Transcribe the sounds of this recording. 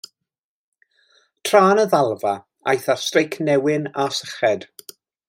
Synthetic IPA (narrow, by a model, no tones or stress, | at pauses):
tʰraːnəðalˠva | a̰jθarstrejkʰnɛwɪnasəχɛd̥